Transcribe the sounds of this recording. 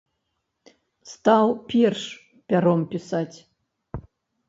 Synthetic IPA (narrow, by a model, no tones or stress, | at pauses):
st̪awpʲerʂ | pʲaɾompʲisatʲ